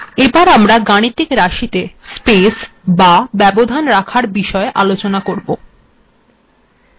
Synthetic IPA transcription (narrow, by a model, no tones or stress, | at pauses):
ebaɾamɾaɡaɽ̃it̪ːikɾaʃit̪espes | babɛbod̪ʱanɾakʰaɾbiʃɔeʔa̰lot͡ɕonakoɾbo